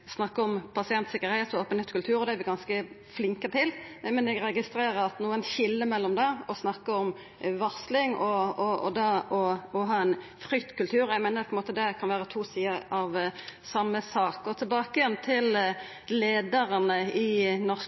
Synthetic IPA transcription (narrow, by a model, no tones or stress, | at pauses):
snɑkːəɔmpʰɑsɪɛnt̪sɪkːəɾheːt̪ɔoːpənhɛːt̪kʉlt̪ʰʉːɾɔd̪ɛæɾʋɪɡɑnskə | flɪŋkət̪ʰɪlmɛnɛɡɾɛɡɪst̪ɾeːɾəɾɑt̪nuːənçɪlːəmɛlːɔmd̪ɛɔsnɑkːəɔm | ʋɑʁslɪŋɔɔɔ̰d̪ɑɔɔɦɑːɛn | fɾʏkt̪kʉlt̪ʰʉːɾɔæmeɪnəpʰɔɪnmoːt̪əd̪ɛkʰɑnʋæːɾət̪ʰuːsiːəɑʋsɑmːəsɑːkɔt̪ʰɪlbɑːkəjɛnt̪ʰɪl | leːd̪əɾənəɪnɔʁs